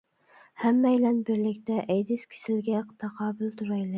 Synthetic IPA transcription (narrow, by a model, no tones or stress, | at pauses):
hæmːæjlænbɪɾlɪkʲt̪ʰɛʔæjd̪ɪskʲʰɪ̥sɪlɡʲɛqʰt̪ʰɑqʰɑːbɪlt̪ʰʊɾɑjlɪ